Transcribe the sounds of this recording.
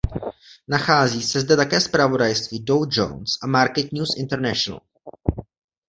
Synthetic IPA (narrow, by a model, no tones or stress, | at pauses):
naxaːziːsɛzdɛt̪akɛːspɾavo̞dajst̪viːdowd͡ʒo̰wnsʔamaɾkɛt̪ɲuːsʔɪnt̪ɛɾnɛʃona̰l